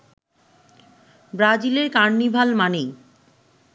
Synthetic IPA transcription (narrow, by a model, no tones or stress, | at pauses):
bɾad͡ʑileɾkaɳnibʱalmanej